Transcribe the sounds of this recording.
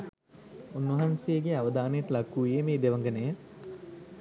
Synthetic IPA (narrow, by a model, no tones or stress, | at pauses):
unːʋɐɦansejːɡeaʋəd̪aːnejəʈəlakːuːjemeːd̪eʋɐŋɡənejə